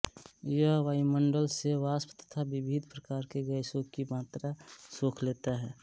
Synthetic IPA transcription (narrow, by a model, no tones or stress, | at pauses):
jəɦʋaːiməɳɖəlseʋaːspt̪ə̥t̪ʰabɪbʱid̪ʱpɾəkaːɾkeɡəɪsõkimaːt̪ɾasoːkʰleːt̪aɦɛː